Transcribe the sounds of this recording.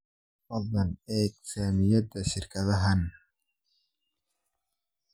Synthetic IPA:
ɐðɐnɛːɡsaːmɪjɐd̪ɐʃɪrkʰɐðɐɦɐn

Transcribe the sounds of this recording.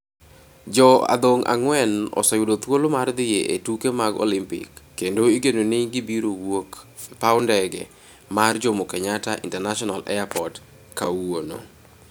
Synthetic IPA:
d͡ʒɔa̰d̪oŋʔa̰ŋwɛnɔ̰sajodot̪wolomard̪ɪjeʔetukemaɡo̰lɪmpɪ̰kːendoiɡenonɪɡɪbiɾowokpaʊndɛɡɛ̰ | mard͡ʒomokɛɲataʔḭntɛnaʃɔnalɛ̰apɔd | kawono̰

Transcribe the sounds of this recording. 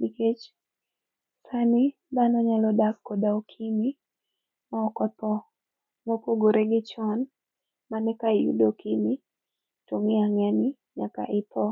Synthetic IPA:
biket͡ʃ | sani | d̪anɔɲalɔdaskɔdaɔkʰini | maɔkɔpɔ | mokoɡoɾʔeɡɪt͡ʃɔn | manɛkaijṵdɔkini | toŋiaŋanɪ | ɲaka̰ʔɪpʰɔ

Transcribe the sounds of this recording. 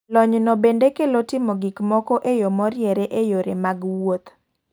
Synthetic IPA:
lɔɲnɔbendekelotɪmoɡikmɔkɔʔejomɔɾjɛɾeʔejoɾemaɡwot̪

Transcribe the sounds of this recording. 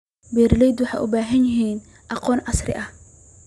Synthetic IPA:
bɛːɾɪlɛjd̪wɑħɑ̰jʔʊ̰baːɦɐnjɪɦiːn | ʔɑqɔːnʔɐsrɪ̰ʔɐh

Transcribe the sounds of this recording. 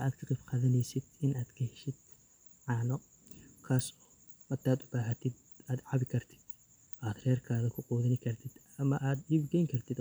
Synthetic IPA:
ʔaːkt̪ʰɐqɪfqɑðɐnɛjsɪd̪ɪnaːd̪kʰɐhɛʃɪd̪ | ʕaːnɔ | kʰaːsɔ̥ | mɐt̪ʰaːd̪ʊbaːɦɐt̪ʰɪd̪ | aːd̪ʕɑβɪkʰɐrt̪ʰɪ̥d̪̥ | ʔaːd̪rɛːrkʰaːðɐkʰʊqɔːðɐnɪkʰɐrt̪ʰɪd̪ | ɐmɐʔaːd̪d̪ɪbɡɛjŋkʰɐrt̪ʰɪd̪

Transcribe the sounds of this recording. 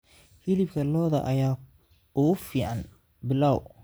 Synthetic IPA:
hilɪbkʰɐlɔːðɐʔɐjaː | ʊʊfiːʕan | bɪlaːw

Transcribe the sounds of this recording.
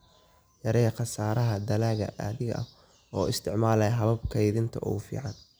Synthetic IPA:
jɐɾɛqɑsaːɾɐɦɐd̪ɐlaːɣɐ̰ʔɐ̰ðɪɣɐʔɐ̰ | ɔːɪst̪ʰɪʕmaːlɐjɦɐβɐb̚kʰɐjðɪnt̪ʰɐʔɔ̰fḭːʕɑn

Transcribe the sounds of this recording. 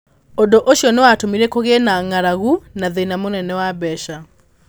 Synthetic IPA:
odoʔoʃjɔnewatomiɾekoɣenaŋaɾaɣunaðenamonɛnɛwabɛʃa

